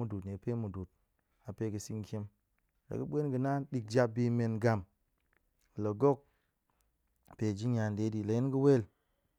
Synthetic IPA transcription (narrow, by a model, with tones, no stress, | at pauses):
u˨du˨tne˨pe˦mu˨du˨t̚ | a˨pe˦kɨ˨si˦ŋkʲi˦m | la̰˨kɨ˦ɓʷe˦nɡɨ˨na˦nɗi˨k̚d͡ʒa˧b̚bi˧me˨nɡa˨m˨ | lə˨ɡo˦˨k̚ | pe˨d͡ʒi˦ɲa˨nde˨˦di˨la˨ji˦nki˦we˦˨l